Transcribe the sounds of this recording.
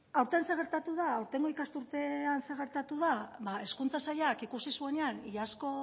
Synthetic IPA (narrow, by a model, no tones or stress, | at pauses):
awɾt̪enseɣ̞e̞ɾt̪at̪uðaːwɾt̪e̞ŋɡo̞ikast̪uɾt̪e̞anse̞ɣ̞e̞ɾt̪at̪uðaβae̞skunt͡sasajakikusisue̞neaniʎasko̞